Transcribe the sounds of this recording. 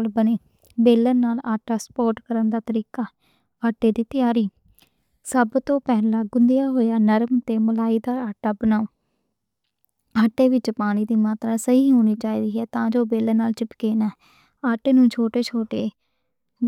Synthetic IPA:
lbəneː | beːlənaːlaːʈaːsə̥pɔːʈkəɾənd̪aːt̪əɾiːkaː | aːʈeːd̪iːt̪ɪjaːɾiː | səbt̪õːpɛːlãːɡʊnd̪ɪjaːɦoːjaːnəɾmt̪eːməlaːiːd̪aːaːʈaːbənaːoː | aːʈːeːʋɪt͡ʃpaːɽ̃iːd̪iːmaːt̪ɾaːsəɦiːɦoːñiːt͡ʃaːiːd̪iːɦɛːt̪ãːd͡ʒoːbeːlənaːlt͡ʃɪpkeːnɛː | aːʈeːnũːt͡ʃʰoːʈeːt͡ʃʰoːʈeː

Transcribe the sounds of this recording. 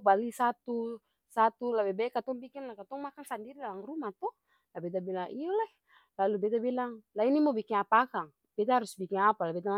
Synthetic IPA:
balisat̪u | sat̪ulabɛbɛkat̪ɔŋbikinlakat̪ɔŋmakaŋsandiɾidalaŋrumat̪ɔ | labɛt̪̬abilaŋʔijɔla | lalubɛt̪abilaŋlainimɔbikiŋapaakaŋ | b̥ɛt̪ahaɾusbikiŋapalabɛt̪̬a

